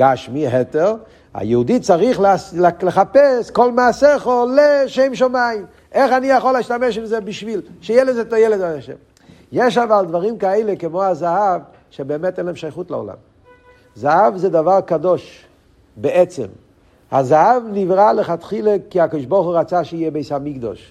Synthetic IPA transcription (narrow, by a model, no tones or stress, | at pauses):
ɡ̥aʃmiɦɛteʁ | a̰jɛud̪it͡saʁiχlslləχapɛskolmaːsɛχoleʃejmʃ̬omaim | eχanijaχolaiʃtamɛʃimzɛbiʃvilʃɛjɛlɛzɛt̪ajɛlɛd̪aaʃɛ̰m | jeʃ̬avald̪vaʁimkaeɪlekəmoazahav | ʃebeːmɛt̪ɛnɛmʃajχutla̰o̰la̰m | zahavzɛd̪avaʁkad̪oʃ | beʔɛt͡sɛ̰m | ha̰zaɦavnivʁaləχat̪χilekiakod̪iʃboʁχuʁat͡saʃijɛbeɪsamiɡd̪ɔ̰ʃ